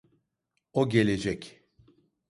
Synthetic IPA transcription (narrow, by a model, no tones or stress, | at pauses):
oɟe̞lʲed͡ʒɛc